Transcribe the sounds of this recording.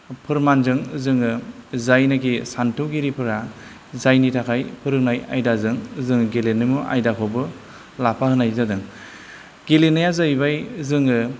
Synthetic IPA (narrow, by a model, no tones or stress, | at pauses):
pʰɯɾmanzɯŋzɯŋɯzajnakisantʰɯɡiɾipʰɯɾa | zajnitʰakʰajpʰɯɾɯknaja̰jdazɯŋzɯŋɡelenɯmuʔa̰jdakʰɔbɯ | lapʰahɯnajzadɯŋ | ɡ̥elenajazajbajzɯŋɯ